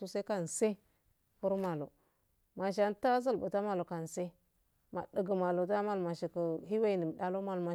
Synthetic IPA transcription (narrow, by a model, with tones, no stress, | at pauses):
u˦sa˦ka˦n˨se˦ | pu˦ɾma˨lo̰˨ | ma˨ʃ̬a˨n˦ta˦zə˦lbṵ˨ta˦ma˨lo˨ka˨n˨se˦ | ma̰˨də˨ɡə˨ma˨lo˨ta˦ma˦lma˨ʃi˨kə˨ɦi˦we˦˨ni˨m˨ɗa˦lo˦ma˨lma˨